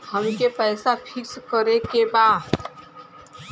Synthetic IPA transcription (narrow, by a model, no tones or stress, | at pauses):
həmkepɛːsapʰɪkskəɾekebaːd̪